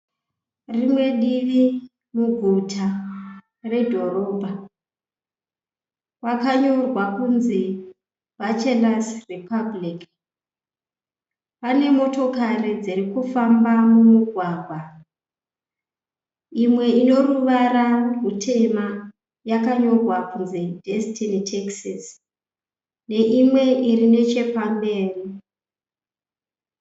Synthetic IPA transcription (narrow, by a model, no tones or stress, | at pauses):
rimwe̞ɗiʋi | muɡʱutʰa | re̞dʱo̞ro̞ːbʱa | wakaɲo̞rwakunzi | ʋat͡ʃelasripablik | pane̞mo̞to̞karid͡ziɾikufambamumuɡʱwaːɡʱwa | imwe̞ino̞ruʋaɾamutʰe̞ma | jakaɲo̞ɡʱwakunzedʱestinitʰeksas | ne̞ʔimwe̞ʔirine̞t͡ʃe̞pambe̞ːri